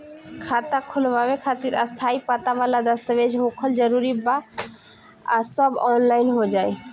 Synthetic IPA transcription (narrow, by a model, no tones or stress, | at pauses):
kʰat̪akʰolbabekʰat̪iɾəst̪ʰaipat̪aβalad̪əst̪əbed͡ʒʱɦokʰəld͡ʒəɾuɾiba | asɔbɔnlaɪnɦod͡ʒaj